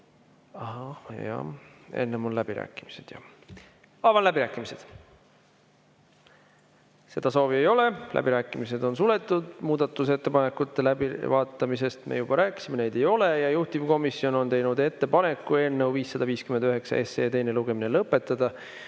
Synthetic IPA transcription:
ɑhɑjɑ̰e̞̰nːemullæb̥iɾæ̰ːkːˑimise̞d̪̥jɑ̰ | ɑːvɑnlæbiɾæːkːˑimise̞d̪̥ | se̞d̪̥ɑso̞ːvie̞jo̞le̞lʔæ̰b̥iɾæːkːˑimise̞d̪̥o̞nsule̞t̪ːˑud̪̥muːd̪ɑt̪ːˑuse̞t̪ːepɑne̞kːut̪ːˑe̞læbivɑːt̪ːˑɑmise̞st̪mḛjub̥ɑɾæːkːˑi̥simene̞jd̪̥e̞jo̞le̞jɑjuht̪ivko̞misːio̞no̞nt̪ejnud̪e̞t̪ːe̞pɑne̞kːue̞nːewviːsːɑd̪ɑviːskymend̪yɦe̞ksɑ̰e̞se̞̰ːt̪e̞jne̞luɡ̥e̞minelɤpːˑe̞t̪ːˑɑd̪̥ɑ

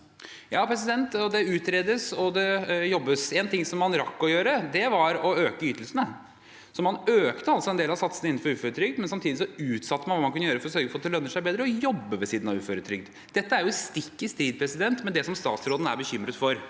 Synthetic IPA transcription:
jɑːpʰɾɛs̬ɪd̪ɛnt̪ɔd̪ɛʉːt̪ɾeːd̪əsɔd̪ɛjɔbːəsɛːnt̪ɪŋːsɔmːɑnɾɑkːɔjøːɾəd̪ɛʋɑɾɔøːkəyːt̪əl̩sənə | sɔmɑnøːkt̪əɑlsɔɛnd̪eːlɑsɑt̪sənəɪnːn̩fɔɾʉːføːɾət̪ʰɾʏɡ̚d̪mɛnsɑmt̪ʰiːd̪ɪsɔʉːt̪sɑt̪ːəmɑnʋɑːmɑnkʉnəjøːɾəfɔɾɔsøːɾɡəfɔːt̪ːɛlœnːəʂæɪbeːd̪ɾəɔjɔbːəʋɛsiːd̪nɑʋʉːføːɾət̪ʰɾʏɡd̪ | d̪̥ɛt̪ːəæɾjʊst̪ɪkːɪst̪ɾiːd̪̚pʰɾɛsɪd̪ɛnt̪mɛnd̪ɛsɔmst̪ɑ̰ːt̪sɾoːd̪ən̩æ̰ɾbəçʏmɾət̪fɔɾ

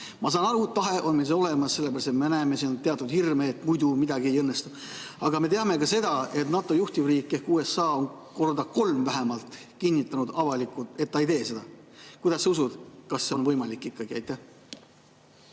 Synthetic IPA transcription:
mɑs̬ɑːnɑɾutt̪ːɑɦe̞ʔo̞nmels̬eo̞le̞mɑsse̞lːebæɾɑst̪et̪menæeme̞sint̪e̞ɑt̪ːˑud̪hirmeːt̪ːmujd̪umid̪ɑɡie̞jɤnːe̞st̪u | ɑɡ̥ɑme̞t̪e̞ɑme̞kɑse̞d̪ɑe̞t̪nɑt̪ːˑo̞juht̪ivriːkːe̞hkuːe̞sːɑːo̞n | ko̞rd̪ɑko̞lmvæɦe̞mɑlt̪ˑ | kinʲːit̪ːˑɑnud̪ɑvɑlikːˑut̪e̞t̪ːɑejt̪e̞ːse̞d̪̥ɑkujd̪ɑsːeusud̪̥kɑsːenvɤ̞jmɑlikːˑikːɑɡiɑ̰jt̪ːˑæh

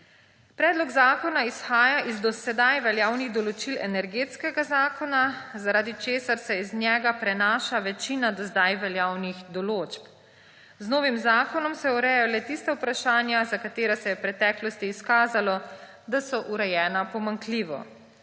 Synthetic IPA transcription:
pɾɛːd̪lɔɡzaːkɔnaisxaːjaʔizd̪ɔsɛd̪ajʋɛljaːwniɣd̪ɔlɔt͡ʃilɛ̰nɛɾɡeːt̪skɛɡazaːkɔnazaɾaːd̪it͡ʃeːsaɾsɛiznjɛːɡapɾɛnaːʃaʋɛt͡ʃiːnad̪ɔzd̪ajʋɛljaːwniɣd̪ɔloːt͡ʃp | znoːʋimzaːkɔnɔmsɛɔɾɛjajɔlɛt̪ist̪awpɾaʃaːnjazakat̪eːɾasɛjɛpɾɛt̪ɛːklɔst̪iːskaːzalɔ | d̪asɔʔuɾɛjɛːnapɔmaŋkliːʋɔ̰

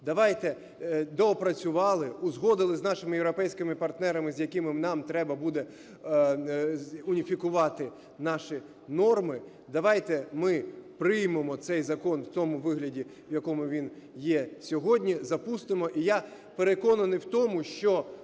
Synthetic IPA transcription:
d̪ɐʋɑjt̪ɛ | d̪ɔɔpɾɐt͡sʲʊʋɑlˠɪʊzɦɔd̪ɪlˠɪznɑʃɪmɪjewɾɔpɛjsʲkɪmɪpɐrt̪nɛɾɐmɪzʲjɐkɪmɪnɑmt̪ɾɛbɐbud̪ɛ | ʊnʲifʲikʊʋɑt̪ɪ | nɑʃi | nɔrmɪ | d̪ɐʋɑjt̪ɛmɪpɾɪjmemɔt̪sɛjzɐkɔnwt̪ɔmʊʋɪɦlʲɐdʲi | wjɐkɔmʊʋʲin | jɛsʲɔɦɔdʲnʲizɐpust̪ɪmɔʔija | peɾekɔnɐnɪjwt̪ɔmʊʃt͡ʃɔ

